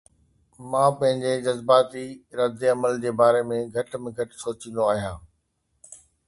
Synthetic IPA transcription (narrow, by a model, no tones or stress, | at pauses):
mãːpɐ̃ɦɪ̃ɲd͡ʑed͡ʑɐzbaːt̪iɾɐd̪eɐməld͡ʑeːbaːɾemẽɡʱɐʈmẽɡʱɐʈsoːt͡ɕĩnd̪oaːɦijãː